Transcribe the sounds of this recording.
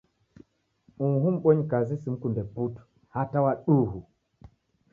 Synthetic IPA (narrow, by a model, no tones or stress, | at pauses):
uɦum̩ɓɔɲikazisim̩kundɛputu̥ | hatawaɗuɦu